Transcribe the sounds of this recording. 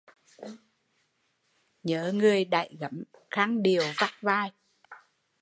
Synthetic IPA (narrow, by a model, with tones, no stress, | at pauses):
ɲəː˨˦ŋɨ˨˩əjɗa̰ː˧˨jɣə˨˦mxaː˧ŋɗi˨˩əwva˦˥k̚vaː˧˩j